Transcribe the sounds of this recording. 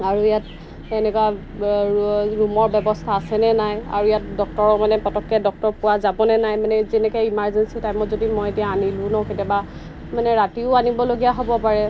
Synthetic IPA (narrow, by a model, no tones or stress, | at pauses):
aɹuijat | ɛnɛkwa | ɹumɔɹbɛbɔstʰaːsɛnɛnaja̰ɹuijat̚dɔk̚tɔɹɔmanɛpɔtɔkːɛdɔk̚tɔɹpʊwazabɔnɛnajmanɛzɛnɛkɛimaɹzɛnsitajmɔtzodimɔjetijaanilʊ̃nɔketɛba | manɛɹatiʊanibɔloɡijaɦobɔpaɹɛ